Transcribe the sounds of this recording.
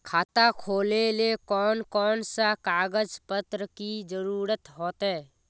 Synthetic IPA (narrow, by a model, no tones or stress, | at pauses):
kʰaːt̪akʰoːlelekɔːnkɔːnsakaːɡəd͡ʒpət̪ɾəkid͡ʒəɾuːɾət̪ɦoːt̪ɦɛː